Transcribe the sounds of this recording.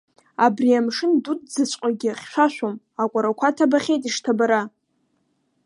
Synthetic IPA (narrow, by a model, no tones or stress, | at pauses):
abriamʂɨndut̚ʰʼd͡zɨt͡ɕʷʼqʷʼaɡʲɪχʲʃʷᶣaʃʷᶣom | akʷʼaɾakʷʰatʰabaχʲejtʼiʂtʰabaɾa